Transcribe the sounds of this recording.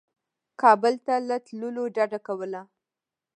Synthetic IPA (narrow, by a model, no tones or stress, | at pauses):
kɑbəlt̪alat̪lunoɖaɖakawəla